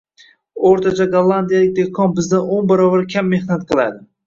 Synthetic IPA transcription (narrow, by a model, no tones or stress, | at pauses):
oɾt̪ʰat͡ʃʰaɡalˠːand̪ijalɪk̚ʲd̪ekʰɒnbɪzd̪anonbaɾɒbaɾkʲʰamːe̞hnat̪̚qʰɨlˠa̰d̪ɪ